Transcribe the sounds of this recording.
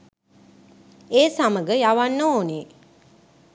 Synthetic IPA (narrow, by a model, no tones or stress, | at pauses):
eːsaməɡəjaʋanːəoːne